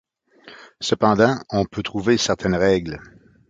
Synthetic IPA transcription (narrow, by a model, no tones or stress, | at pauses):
səpɑ̃d̪ɑ̃ɔ̃pʰøt̪ʁuvesɛʁt̪ʰɛnʁɛɡl